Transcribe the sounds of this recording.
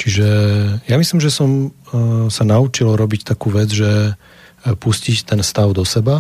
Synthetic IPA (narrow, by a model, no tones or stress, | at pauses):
t͡ʃiʒɛjamislimʒɛsɔm | sanaut͡ʃilɾɔbict̪akuːʋɛd͡zʒɛ | puscict̪ɛnfst̪aʊd̪ɔsɛba